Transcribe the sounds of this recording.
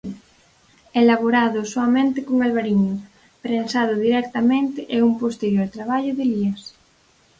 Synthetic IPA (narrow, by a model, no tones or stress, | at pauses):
elaβoɾaðʊsoamẽnt̪ɪkoŋalβaɾiɲʊ | pɾensað̞ʊðiɾɛk̚t̪amẽnt̪ɪʔɛumpost̪eɾjoɾt̪ɾaβ̞aʎʊðɪliɐs